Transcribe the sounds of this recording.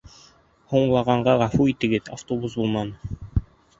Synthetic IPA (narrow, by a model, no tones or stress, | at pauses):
huɴlˠɑʁɑɴɢɑʁɑfuit̪ɘ̆ɡɘt̪aft̪obus̬bulˠmɑnɤ